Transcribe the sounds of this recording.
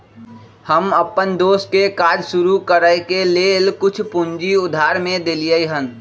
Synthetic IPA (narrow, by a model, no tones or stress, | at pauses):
həməpːənd̪oːskekaːd͡ʒsʊɾukəɾəkelelkʊt͡ʃʰpund͡ʒiʊd̪ʱaɾmẽd̪elijəjɦən